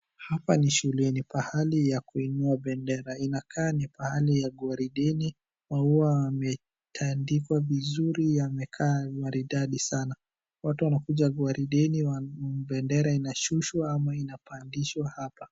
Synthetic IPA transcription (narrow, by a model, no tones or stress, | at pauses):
hapaniʃulɛnipahalijakuinuaɓɛndɛɾainakʰaːnipahalijaɠwaɾiɗɛni | mauaːmɛ | tʰandikwavizuɾijamɛkʰaːɡwaɾiɗaɗisana | watuwanakuʄaɡwaɾiɗɛniwaɓɛndɛɾainaʃuʃwaamainapandiʃwahapa